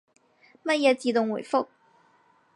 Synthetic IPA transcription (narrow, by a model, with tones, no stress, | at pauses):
mɐ˥jɛ˨˧t͡siː˨˥t̪ʊ˨˩ŋwu˨˩jfʊ˥k̚